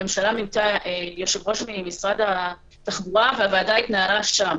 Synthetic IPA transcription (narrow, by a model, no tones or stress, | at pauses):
emʃalamimt̪aʔejoʃevʁo̞ʃmimisʁad̪ha | t̪aχbuʁaveavaːdait̪naɦalaʃam